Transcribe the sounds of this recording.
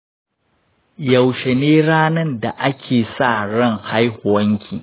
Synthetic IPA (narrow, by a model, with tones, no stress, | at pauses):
jɐ˨wʃe˨neː˦ɽaː˦nɐ˦nda˨ʔa˦kʲʰeː˨sa˦˨ɽɐ˦˨ŋha˦jhʊ˨wɐ˦ŋkʲʰiː˨